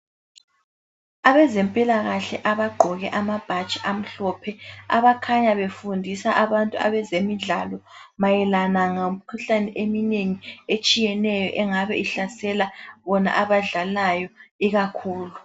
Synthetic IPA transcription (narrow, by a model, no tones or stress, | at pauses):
aβɛzempʼilaɣaɬɛ̰ʔaβaɡ͡ǃʱɔɣɛʔamab̥ʱat͡ʃʼiʔam̩ɬɔpʰɛa̰βakʰaɲaβefundʱisaʔaβantʼua̰βɛzemiɮalɔmajɛlanaŋaumikʰuɬanɛʔemineŋiet͡ʃʼijɛnɛjɔʔɛŋaβɛiɬasɛlaβɔna̰ʔaβaɮalajɔiɣakʰuːlu